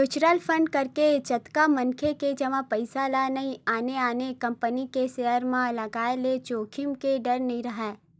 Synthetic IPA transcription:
ut͡ʃɾalpʰə̃ɳɖ̚kɐɾket͡ʃɐt̪kamɐ̃nkʰeked͡ʒɐʋãpɐɪsalanɐɦĩaːneaːnekɐ̃mpənikeseɦəɾmãlɐɡaːelet͡ʃoːkʰɪmkeɖɐɾnɐɦĩɾɐɦɛː

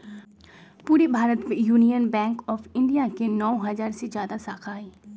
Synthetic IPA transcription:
puːɾebʱaːɾət̪mejuːnijənbɛ̃ːŋkɔːfɪ̃ɳɖijakenɔːɦɐzaːɾsed͡ʒjaːd̪asaːkʰaːiː

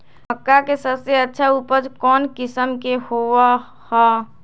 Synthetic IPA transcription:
məkːakesəseɐtːʃʰauːpəɾd͡ʒkɔːnkɪsəmkehoːʋa | hɛː

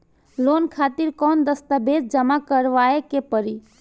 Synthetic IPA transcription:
loːnkʰaːt̪iɾkɔːnd̪əst̪abed̪̚d͡ʒəmakəɾʋaːekepəɾi

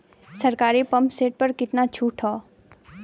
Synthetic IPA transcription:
sɐɾkaːɾipɐ̃mpseːʈ̚pɐɾkɪt̪nat͡ʃʰuːʈʰɦɔː

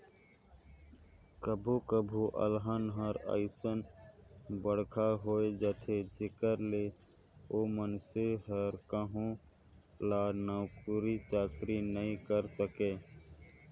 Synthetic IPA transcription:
kəbʱukəbʱuʔə̰lɦənɦəɾə̰ɪsən | bəɽ̤kʰaɦoːed͡ʒət̪ʰed͡ʒʱɪkəɾle | omənseɦəɾkəɦũ | laːnəwkuɾit͡ʃaːkɾinəĩkəɾsəkeː

